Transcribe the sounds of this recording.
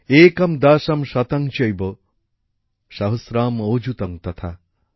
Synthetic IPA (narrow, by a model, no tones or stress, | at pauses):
eːkɐmd̪aːʃɐmʃɐt̪ɐŋt͡ʃɐjbɔ | ʃɐɦusɾaːmoːd͡ʒut̪ɐŋt̪ɐt̪ʰa